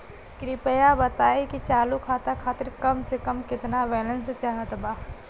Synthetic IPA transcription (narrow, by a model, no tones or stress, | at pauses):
kɾɪpəjabɐt̪aːekit͡ʃaːlukʰaːt̪akʰaːt̪ɪɾkɐmsekɐmkɪt̪naʋɛːlənst͡ʃaɦət̪baː